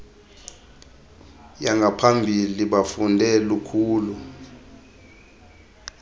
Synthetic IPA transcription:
jaŋɡʱapʰambʱiliɓafundʱɛlukʰuːlu

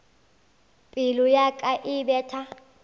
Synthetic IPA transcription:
pʼilujakʼaʔiɓɛːtʰa

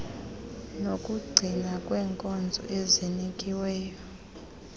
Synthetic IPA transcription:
nokʼuɡ͡ǀʱinakʼwɛːŋkʼɔnd͡zʱɔ̰ʔezinikʼiwɛːjɔ

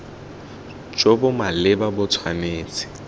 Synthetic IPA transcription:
t͡ʃʼobʊmalɪbabʊt͡sʰwaneːt͡sʼɪ̥

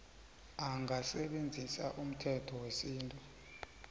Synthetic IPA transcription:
aŋʱasɛɓend͡zʱisa̰ʔum̩tʰɛtʰɔwesiːntʼu

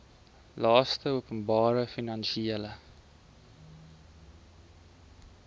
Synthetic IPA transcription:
lɑːstəuəpənbɑːɾəfinɐnʃiələ

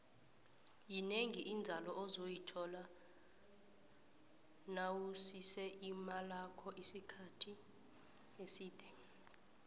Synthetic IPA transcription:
jineŋiʔind͡zʱalɔʔɔzojitʰɔla | nawusisɛʔimalakʰɔʔisikʰatʰi | esiːd̥ʱɛ

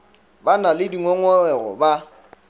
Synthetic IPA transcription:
banalɪdiŋɔŋɔlɛɣɔ̰ba

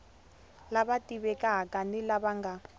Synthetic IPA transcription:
laβatiβɛkʼaɦakʼanilaβaŋɡa

